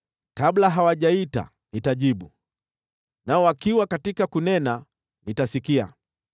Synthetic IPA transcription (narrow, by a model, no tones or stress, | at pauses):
kablaɦawaʄaita̰ | nitaʄiɓu | naɔwakiwakatikakunɛna | nitasikia̰